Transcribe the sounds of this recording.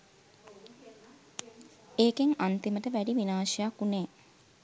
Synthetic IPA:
eːkeŋant̪iməʈəʋæɖiʋinaːʃijakːuneː

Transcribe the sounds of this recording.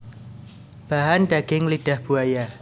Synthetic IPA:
b̥aɦanɖaɡ̥ɪŋlid̥a̤hb̥uaja

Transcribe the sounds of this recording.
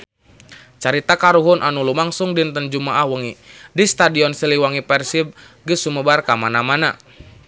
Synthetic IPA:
t͡ʃaɾit̪akaɾuɦʊnʔanulumaŋsuŋdint̪ənd͡ʒumaʔahwəŋidist̪adiɔnsiliwaŋipɛrsib̚ | ɡɨsuməbarkamanamana̰

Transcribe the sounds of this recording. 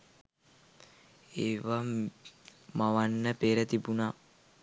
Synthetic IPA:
eːʋa | maʋanːəpeːɾət̪ibunaː

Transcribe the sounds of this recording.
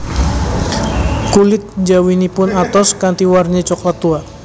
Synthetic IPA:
kulɪt̪̚d͡ʒawinipʊnat̪ɔskant̪iwarɲat͡ʃɔklat̪ua

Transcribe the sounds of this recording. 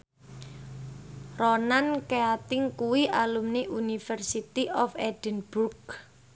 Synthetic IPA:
rɔnankeat̪ɪŋkuwiʔalumneʔunifɛrsit̪iʔɔfɛd̥ənb̥urk

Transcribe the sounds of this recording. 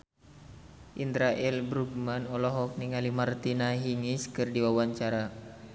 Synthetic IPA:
ʔind̪ɾaʔɛlbɾuɡ̚manɔlɔɦɔk̚niŋalimart̪inaɦiŋiskɨrdiwawaɲt͡ʃaɾa

